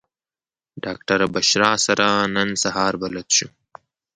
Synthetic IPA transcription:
ɖɑːk̚ʈaɾbaʃɾɑsaɾanənsahɑːɾbalat̪ʃu

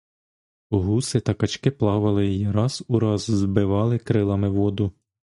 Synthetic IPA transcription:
ʊɦusɪt̪ɐkɐt͡ʃkɪplˠɑʋɐlˠɪjjiɾɑzuɾɑzʊzbɪʋɑlˠɪkɾɪlˠɐmɪʋɔd̪ʊ

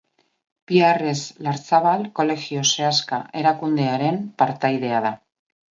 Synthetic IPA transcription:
piare̞slaɾt͡saβalko̞le̞xio̞se̞aska̰ʔe̞ɾakund̪e̞aɾe̞mpaɾt̪ajðe̞aða

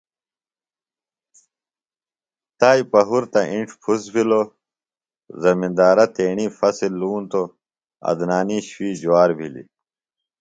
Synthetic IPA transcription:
t̪aːipɐɦuɾt̪ɐʔiɳʈ͡ʂʰpʰusbʱilo | zɐmind̪aːɾɐt̪eːɳiːfɐsilːuːnt̪o | ɐ̰d̪naːniɕwiːd͡ʑuaːɾbʱilḭ

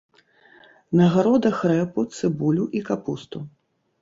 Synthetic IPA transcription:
nɐɣaɾɔd̪ɐxɾɛput̪sɨbulʲuʔikapust̪u

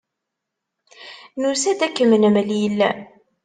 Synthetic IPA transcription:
nʊɾsæd̪ækːəmənəmlilːæ

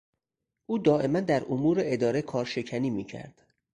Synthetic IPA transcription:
ʔuːd̪ɒːʔe̞mænd̪æɾomuːɾeed̪ɒːɾekʰɒːɾʃe̞cʰæniːmiːcʰæ̰ɾd̪̥

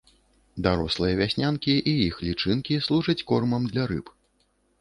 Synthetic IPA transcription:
d̪aɾɔslˠɨjɐvʲasʲnʲankʲiʔijixlʲit͡ʂɨnkʲislˠuʐɐt͡sʲkɔrmɐmd̪lʲɐɾɨp

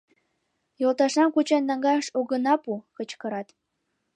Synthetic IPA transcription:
jolˠt̪ɑʃɑmkut͡ɕenːɑŋɡɑjəʃoɣənɑpukət͡ɕkəɾɑt̪

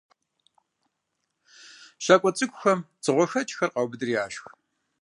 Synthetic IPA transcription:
ɕaːkʷʼɔt͡sʼɨkʷʼʊxɐmt͡sʼɨʁʷɔxɐt͡ʃʼxɐrqɑwbɨdɨrjaːɕx

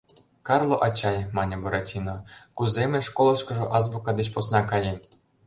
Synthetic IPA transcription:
kɑrlˠoʔat͡ɕːɑjmɑnʲɤ̆boɾatʲinokuzʲemʲɘʂkolˠɤ̆ʃkŏʐoʔɑzbokɑd̪ɘt͡ɕposnɑkɑjenʲ

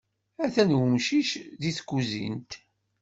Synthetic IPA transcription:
æθænwəmʃiʃðiθkʷːuzḭnt̪

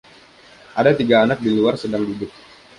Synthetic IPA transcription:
ʔadat̪iɡaːnak̚diluarsədaŋdudʊk̚

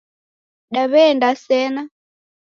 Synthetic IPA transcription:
ɗaβɛndasɛna

